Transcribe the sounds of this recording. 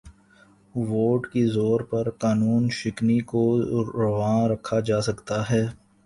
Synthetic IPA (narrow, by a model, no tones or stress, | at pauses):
ʋoːʈkizoːɾpɐɾkaːnuːnʃɪknikoɾɐʋãːɾɐkʰːad͡ʒaːsɐkt̪aɦɛː